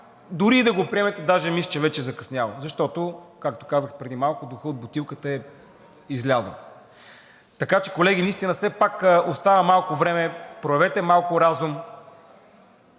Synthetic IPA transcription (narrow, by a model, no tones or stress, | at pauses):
d̪ʊɾiːd̪ɐɡopɾiɛmɛt̪ɛd̪aʒɛmist͡ʃɛvɛt͡ʃɛzɐkɐsnʲjavɐlzɐʃt̪ɔt̪oʊkak̚t̪o̥kazəxpɾɛd̪imalˠkʊd̪ʊxəod̪̚bʊt̪ilˠkət̪əɛ | izlʲazə̰l | t̪ɐkat͡ʃɛ̥kolɛɡ̟ʲinɐist̪inəsɛpakost̪avəmalˠkʊvɾɛmɛpɾoɛvɛt̪ɛmalˠkʊɾazum